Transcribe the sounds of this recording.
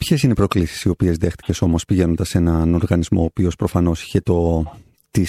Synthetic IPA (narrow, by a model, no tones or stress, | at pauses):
pçe̞sinepɾo̞klisi̥sio̞pie̞zðe̞xt̪i̥ce̞so̞mospiʝe̞no̞nd̪ɐse̞nɐno̞ɾɣɐnizmo̞ːpio̞spɾo̞fɐno̞si̥çe̞t̪o̞ | t̪i